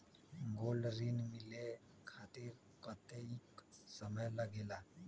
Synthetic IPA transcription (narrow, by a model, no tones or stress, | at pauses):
ɡolɾinmile | kʰat̪iɾ | kət̪eiksəməjləɡela